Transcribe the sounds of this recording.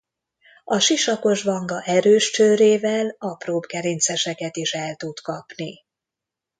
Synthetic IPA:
ɒʃiʃɒko̞ʒʋɒŋɡɒʔɛɾøːʃt͡ʃøːɾeːvɛlɒproːbɡɛɾent̪sɛʃɛkɛt̪iʃɛlt̪ut̪kɒpni

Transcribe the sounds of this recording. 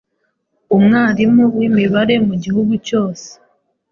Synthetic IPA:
umŋaːɾimuwimiβaɾe̞muɟihuɡuco̞ːse̥

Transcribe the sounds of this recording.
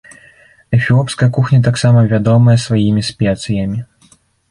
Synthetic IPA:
ɛfʲilˠɔpskɐjɐkuxnʲɐt̪̬aksamɐvʲad̪ɔmɐjɐsvajimʲispʲɛt̪sɨjɐmʲi

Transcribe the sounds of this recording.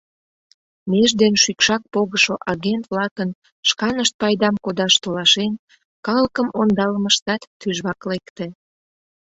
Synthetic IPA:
meʒd̪enʃykʃɑk̚poɣəʃoʔɑɣent̪βlɑkən | ʃkɑnəʃt̪̚pɑjd̪ɑmkod̪ɑʃt̪olɑʃen | kɑləkəmond̪ɑləməʃt̪ɑt̪ːyʒβɑklekt̪e

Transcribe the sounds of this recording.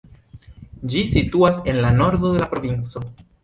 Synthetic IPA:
d͡ʒisituase̞nlano̞ɾd̪o̞d̪e̞lapɾo̞vint͡so̞

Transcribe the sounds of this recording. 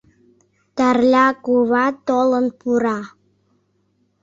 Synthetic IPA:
t̪ærlʲɑkuβɑt̪olənpuɾɑ

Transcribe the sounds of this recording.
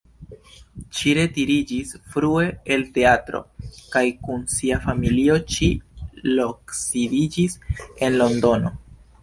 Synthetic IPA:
ʃiɾe̞tiɾid͡ʒisfɾue̞ːlte̞atɾo̞̰kajkunsiafamilio̞ʃilo̞ksidid͡ʒise̞nlo̞ndo̞no̞

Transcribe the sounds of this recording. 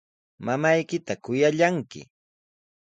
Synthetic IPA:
mamajkɪt̪akʊjaʎaŋkɪ̰

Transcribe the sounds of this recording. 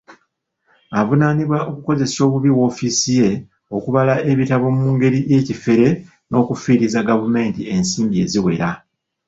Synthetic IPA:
avunaniβwaʔo̞kuko̞ze̞so̞ːβuβiwo̞ːfisije̞ | o̞kuβalaʔe̞βitaβo̞muːŋɡe̞ɾije̞ːcife̞ɾe̞ | no̞ːkufiːɾizaɡavume̞ːntie̞nsiːmbie̞̰ziwe̞̰ɾa

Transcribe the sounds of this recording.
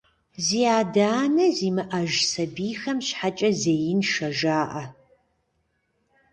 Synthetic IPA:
ziːaːdaːnɐziːmɨʔɐʒsɐbiːxɐmɕħat͡ʃʼɐzeːjɪnʃɐʒaːʔɐ

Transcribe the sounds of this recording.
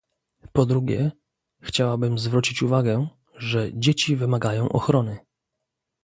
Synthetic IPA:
pɔd̪ɾuɡʲɛ̰ | xt͡ɕawabɘmzvɾut͡ɕit͡ɕuvaɡɛ | ʐɛd͡ʑet͡ɕivɘmaɡajɔ̃w̃ʔɔ̰xɾɔnɘ

